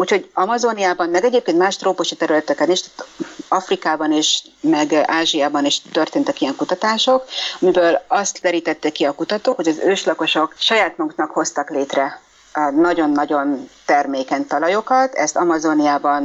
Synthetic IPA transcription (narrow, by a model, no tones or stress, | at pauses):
uːcho̞ɟɒmɒzo̞nijaːbɒnmɛɡɛɟeːp̚keːnt̪maːʃt̪roːpo̞ʃit̪ɛɾylɛt̪ɛkɛniʃt̪ḁːt̪ɒfrikaːbɒneːʃ | mɛɡaːʒijaːbɒniʃt̪ø̞rt̪eːnt̪ɛkijɛŋkut̪ɒt̪aːʃo̞kmibøːlɒst̪lɛɾiːt̪ɛt̪ːeːkːiɒkut̪ɒt̪oːkho̞ɟɒzøːʃlɒko̞ʃo̞kʃɒjaːt̪moŋɡ̪nɒkho̞st̪ɒkleːt̪rɛ | nɒɟo̞nːɒɟo̞nt̪ɛrmeːkɛnt̪ɒlɒjo̞kɒt̪ɛ̰st̪ɒmɒzo̞nijaːbɒn